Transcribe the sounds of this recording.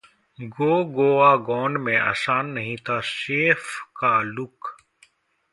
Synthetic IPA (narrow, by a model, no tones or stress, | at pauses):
ɡoːɡoːaːɡɔːnmẽa̰ːsaːnːɐɦĩt̪ʰaːseːfkaːlʊk